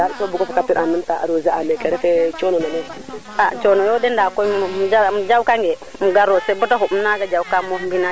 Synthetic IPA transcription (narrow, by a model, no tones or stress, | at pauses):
daisobukofkapiɾanəntaa̰ɾozaamekeɾefet͡ʃononamo | at͡ʃonojodendakomd͡ʒamd͡ʒaukaŋɡemuɡaɾosebutakumnaɡad͡ʒaukamombina